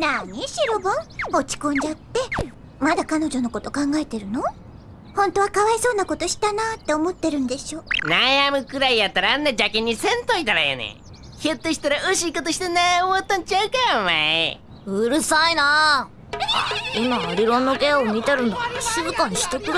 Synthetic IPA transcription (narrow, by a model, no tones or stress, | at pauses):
naɲiɕiɾo̞bõo̞t͡ɕi̥kõ̞ɲ̟d͡ʑat̪ːe̞ | mad̪akano̞d͡ʑo̞noko̞t̪o̞kãŋɡaet̪e̞ɾɯ̟no̞ | hõ̞nt̪o̞βakaβaiso̞ːnako̞t̪o̞ɕi̥t̪anat̪ːe̞omo̞t̪ːe̞ɾɯ̟nd̪e̞ɕo̞ːnajamɯ̟kɯ̟ɾaijat̪ːaɾaːnːed͡ʑakĩɲ̟ːisẽ̞nt̪oit̪aɾa̰ja̰nḛ | çɯt̪ːeɕi̥t̪aɾaɯɕiːkot̪oɕi̥t̪eneoβat̪ːaɲt͡ɕaɯ̟kamae | ɯɾɯ̟saina | a̰imaːɾʲiɾõ̞nːokeomʲit̪aɾɯnd̪oɕizɯkaɲiɕi̥t̪okɯɾ